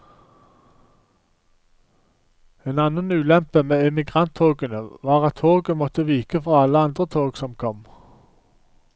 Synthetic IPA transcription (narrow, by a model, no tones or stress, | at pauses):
eːnɑnənʉːlɛmpəmeːɛmɪɡʁɑnt̪ʰoːɡənəʋɑːʁɑt̪ʰoːɡəmɔt̪əʋiːkəfɔɑləɑnd̪ʁət̪ʰoːɡsɔmkʰɔm